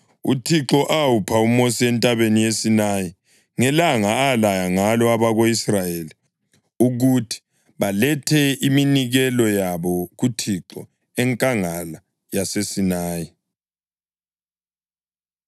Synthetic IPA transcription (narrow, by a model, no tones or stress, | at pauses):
ṵtʰiǁɔʔawupʰaumosiɛntʼaβenijesinaji | ŋɛlaŋaːlajaŋalɔaβaɣoisrajeːli | uɣutʰi̥ | βalɛtʰɛiminiɣɛlɔjaβɔɣutʰiǁɔ | ɛŋkʼaŋala | jasesinaːji